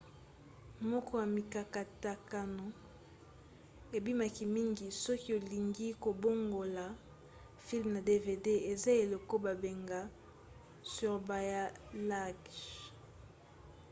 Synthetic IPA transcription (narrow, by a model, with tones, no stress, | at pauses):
mɔ˦kɔ˦ja˨mi˨ka˨ka˨ta˨ka˨no˨ | e˨bi˦ma˨ki˨mi˦ŋɡi˨sɔ˦ki˦o˨li˨ŋɡi˦ko˨bo˦ŋɡo˨la˨ | fi˦lmna˨de˦ve˨de˦e˨za˦e˨lo˨ko˦ba˨be˨ŋɡa˨ | sy˦ʁba˨ja˦la˦ɡ